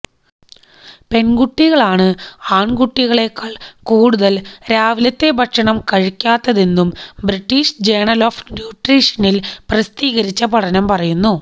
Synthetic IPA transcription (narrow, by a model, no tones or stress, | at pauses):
pe̞nɡuʈːiɣɐɭaːɳɨaːɳɡuʈːiɣɐɭe̞kːɐɭkuːɽuðɐlɾaːʋilɐt̪ːe̞bʱɐkʂɐɳɐmkɐɻikʲːaːt̪ːɐðe̞nːumbriʈːiːʂd͡ʑeːɳɐlo̞ːfnjuːʈriːʂɐnilprɐst̪iːɣɐɾit͡ɕːɐpɐʈɐnɐmpɐrɐjunːu